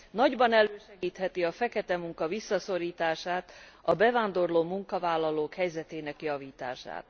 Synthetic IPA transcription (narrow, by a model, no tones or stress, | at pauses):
nɒɟbɒnɛløːʃɛɡiːt̪hɛt̪iɒfɛkɛt̪ɛmuŋkɒvisːɒso̞ɾiːt̪aːʃaːt̪ɒbɛvaːnd̪o̞rloːmuŋkɒvaːlːɒloːkhɛjzɛt̪eːnɛkjɒviːt̪a̰ːʃa̰ːt̪